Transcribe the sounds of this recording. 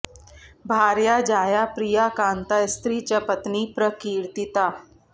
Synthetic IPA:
bʱaːɾjad͡ʒaːjapɾijakaːnt̪ajst̪ɾiːt͡ʃəpət̪nipɾəkiːɾt̪it̪aː

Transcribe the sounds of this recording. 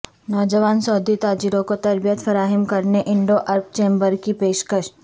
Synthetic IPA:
nɔːd͡ʒəʋaːnsɔːd̪it̪aːd͡ʒiɾõkot̪ɐɾbijət̪fɐɾaːɦɪmkɐɾneʔɪ̃ɳɖoʔɐɾp̚t͡ʃẽːmbəɾkipeːʃkəʃ

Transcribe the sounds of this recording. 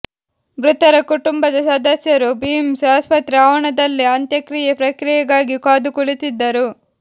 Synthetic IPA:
bɾut̪ɐɾɐkuʈumbɐd̪ɐsɐd̪ɐsjɐɾubimsaspɐt̪ɾiaːʋɐɳɐd̪ɐlːiɐnt̪jɐkɾijepɾɐkɾijɐɡaːɡikaːd̪ukuɭit̪id̪ːɐɾu

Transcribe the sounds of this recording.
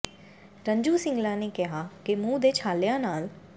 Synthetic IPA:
ʈə̃ɲd͡ʒuːsɪ̃ŋɡlãːneːkɪɦaːkɪmũːd̪eːt͡ʃʰaːljãːnaːl

